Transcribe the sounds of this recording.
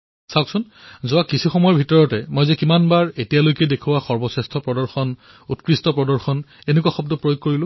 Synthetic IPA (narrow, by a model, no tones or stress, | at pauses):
saksʊn | zʊakisʰixɔmɔjɔbʱitɔɹɔtɛmojzɛkimanbaɹetijalojkɛdekʰuwaxɔɹbɔsɛstʰɔpɹɔdɔɹxɔn | utkɹistɔpɹɔdɔɹxɔnenekuaxɔbdɔpɹojoɡ̚koɹilʊ̃